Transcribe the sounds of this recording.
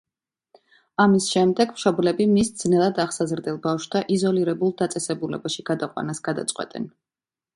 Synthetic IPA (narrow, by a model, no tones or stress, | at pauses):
amisʃɛmd̪ɛɡmʃɔblɛbimisd̪z̥nɛlˠad̪aχsazɾd̪ɛlˠbafʃt̪ʰaʔizɔliɾɛbulˠd̪at̪sʼɛsɛbulɛbaʃiɡ̥ad̪aqʼwa̰nasɡ̥ad̪a̰t̪sʼqʼwɛ̰t̪ʼɛ̰n